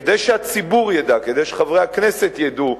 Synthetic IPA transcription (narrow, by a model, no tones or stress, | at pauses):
ed̪ejʃeat͡sibuʁjad̪aked̪ejʃeχavʁehaknese̞t̪jed̪u